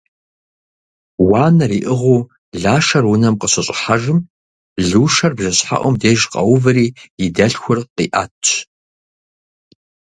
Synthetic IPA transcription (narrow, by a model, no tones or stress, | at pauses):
waːnɐɾiːʔɨʁʷuː | ɮaːʂɐrwʊnɐmqəɕɐɕʼɪħaʒɨm | ɮuːʃɐrbʒɐɕħa̰ʔʷɔmdeːʒqʼɐ̰wʊvɨɾiːjɪdɐɬxʷʊrqiːʔa̰ːtʰʼːt͡ʃ